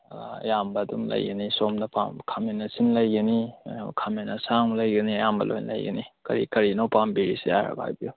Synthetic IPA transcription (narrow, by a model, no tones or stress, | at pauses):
ɐ̰jambɐdumlɐ̰jɡɐnisomnɐpa̰mkʰamenːɐsinlɐjɡɐnikʰamenɐsaŋlɐjɡɐniɐjambɐ̰lo̰jnlɐ̰jɡɐ̰nikɐ̰ɾḭkɐɾinowpambiɾisija̰ɾa̰ba̰jbiu